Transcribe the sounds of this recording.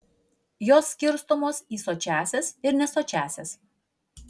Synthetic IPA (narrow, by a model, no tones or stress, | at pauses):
joːsːʲkʲɪɾst̪omoːsiːsoːt͡ʃʲæːsʲesɪɾnʲɛsoːt͡ʃʲæːsʲes